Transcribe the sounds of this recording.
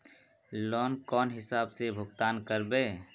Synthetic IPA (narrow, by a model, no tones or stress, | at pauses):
lɔːnkɔːnɦɪsaːbsebʱʊɡ̚t̪aːnkəɾbeː